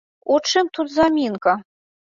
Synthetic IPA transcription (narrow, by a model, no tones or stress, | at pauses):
ut͡ʂɨmt̪ut̪zamʲinkɐ